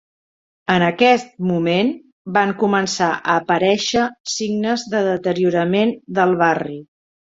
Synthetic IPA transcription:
ənəkɛst̪̚mumen | baŋkumənsaʔəːpəɾɛʃəsiɡnəzðəðət̪əɾiuɾəmend̪əlˠβari

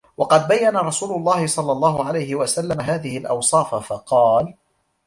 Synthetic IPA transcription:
wɑqɑd̪̚bajːanaɾˤɑsuːlʊlˤːɑːhɪsˤɑlːɑlˤːɑːɦʊʕalajhɪwasalːamaɦaːðɪhɪlʔɑ̰wsˤɑːfafɑqɑːl

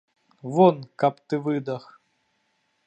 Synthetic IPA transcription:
vɔnkapt̪ɨvɨd̪ɐx

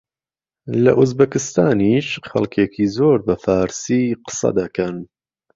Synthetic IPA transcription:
lɐ̰ʔuzbɐkɪst̪aːniːʃxɐ̰lkʰeːkʰiːzoːɾbɐfaːɾsiːqɨ̥sɐ̰d̪ɐkɐn

